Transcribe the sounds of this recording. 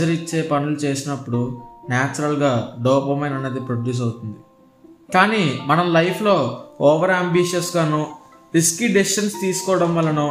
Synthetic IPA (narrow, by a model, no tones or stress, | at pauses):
ɐɾit͡ʃːe̞ːpɐnulut͡ʃe̞ːsinɐpːuɽunaːt͡ʃɐɾɐlɡaːɖɔːpɐmeːnɐnːeːd̪ipɾoɖjuːs̬ɐwut̪und̪i | kaːniːmɐnɐmlɐjpʰlo̞ːɔːʋɐɾaːmbiːʃɐsɡaːnu | ɾiskiːɖisʃɐnst̪iːsu̥kɔːɽɐmʋɐlːɐnu